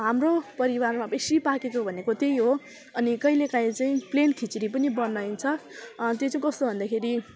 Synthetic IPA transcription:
ɦamropʌɾiwarmabesipakekobʱʌnekot̪ejɦo | ʌnikʌjlekaj̃t͡saĩplenkʰit͡siɾip̬ʌnibʌnajnt͡sʰʌt̪jot͡saĩkʌst̪obʱʌnd̪akʰeɾi

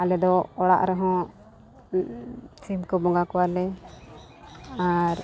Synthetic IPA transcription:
alɛd̪ɔːɽa̰ʔɾɛɦɔ̃ | t͡ʃimkɔbɔŋɡakɔwalɛ | aɾ

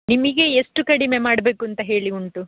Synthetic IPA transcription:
nimiɡe̞ːsʈukɐɽime̞maːɽbe̞ːkuɐnt̪ɐɦe̞ːɭiuɳʈu

